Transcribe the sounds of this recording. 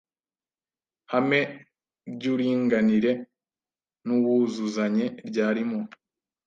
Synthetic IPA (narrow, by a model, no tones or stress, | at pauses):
hame̞ | bɟuːɾiːŋɡaniɾe̞ | nuwuzuzaɲe̞ɾɟaːɾimo